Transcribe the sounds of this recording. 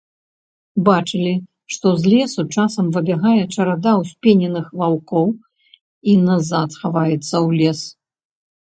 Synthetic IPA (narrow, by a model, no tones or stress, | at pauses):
bat͡ʂɨlʲi | ʂt̪ɔzʲlʲɛsut͡ʂasɐmvɨbʲɛɣajɛt͡ʂɐɾad̪awsʲpʲenʲɛnɨxvawkɔw | inazat̪xavajɛt̪sːɐwlʲɛs